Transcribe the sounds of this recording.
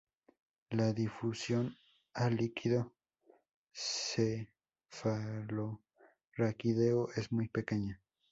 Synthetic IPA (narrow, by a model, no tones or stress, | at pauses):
laðifusjon | alikʰiðo | sse | falo | rakiðeoʔesmujpekeɲa